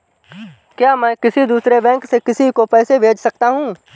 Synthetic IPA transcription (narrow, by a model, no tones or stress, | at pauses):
kjaːmɛ̃ːkɪsid̪uːsɾebɛ̃ːŋksekɪsikopɛːsebʱeːd͡ʒsɐk̚t̪aɦũː